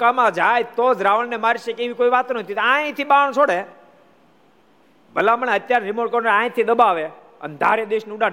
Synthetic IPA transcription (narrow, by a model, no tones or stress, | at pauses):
kamãd͡ʒajt̪od͡ʒɾaʋəɭnemaɾʃekeʋikoiʋat̪onət̪ʰit̪oãẽt̪ʰiɓaɳ̃t͡ʃʰoɽe | bʱəlaməɳeət̪jaɾɾimoɾʈkəɾnəãẽt̪ʰid̪əbaʋe | ə̰nd̪ʱaɾed̪eʃnũɖa